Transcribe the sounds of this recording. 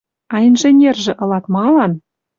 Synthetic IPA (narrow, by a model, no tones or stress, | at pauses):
ɑjnʒĕnʲerʒĕʔɤ̆lɑt̪mɑlɑn